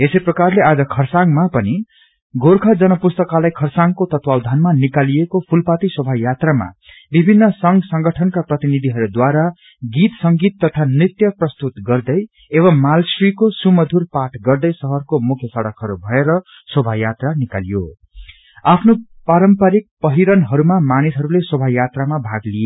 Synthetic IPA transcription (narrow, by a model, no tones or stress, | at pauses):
esʌjprʌkarlead͡zʌkʰʌrsaŋmapʌni | ɡʱorkʰad͡zʌnʌpust̪ʌkalajkʰʌrsaŋkot̪ʌt̪wawd̪ʱanmanikalijekopʰulpat̪iswʌbʱajat̪rama̰ | bibʱinːʌsʌŋɡsʌŋɡʌʈʰʌnkaprʌt̪inid̪ʱiɦʌɾud̪waɾa | ɡit̪sʌŋɡit̪ːʌt̪ʰanrit̪jʌprʌst̪ut̪ɡʌrd̪ʌj | eβʌmːalsrikosumʌd̪ʱurpaʈʰɡʌrd̪ʌjsʌɦʌrkomukʰjʌsʌɽʌkʰʌɾubʱʌeɾʌ | swʌbʱajat̪ranikalijo | apʰnopaɾʌmpaɾik̚pʌɦiɾʌnɦʌɾumamanisʌɾuleswʌbʱajat̪ramabʱaɡlije